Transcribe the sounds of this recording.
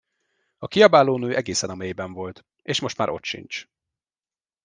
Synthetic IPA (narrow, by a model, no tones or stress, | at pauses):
ɒkiɒbaːloːnøːʔɛɡeːsɛnɒmeːjbɛɱvo̞lt̪ | eːʃmo̞ʃt̪maːɾo̞̰t̪ʃḭnt͡ʃ